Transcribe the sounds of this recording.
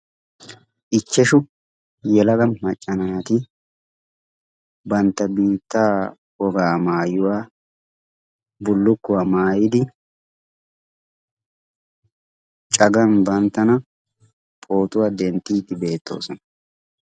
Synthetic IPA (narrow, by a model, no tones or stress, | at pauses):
ʔɪt͡ʃːɛʃʊ | jɛlɐɡɐnmɐt͡ʃʼːɐnaːɐt̪ɪ | bɐnt̪ːɐbiːt̪ːaː | wɔɡaːmaːjʊwaː | bʊlːʊkːʊwamaːjɪd̪ɪ | t͡ʃʼɐɡɐnbɐnt̪ːɐnɐ | pʼo̞ːt̪ʊwad̪ɛnt̪ːiːt̪ːɪbe̞ːt̪ːo̞̰ːsɔnɐ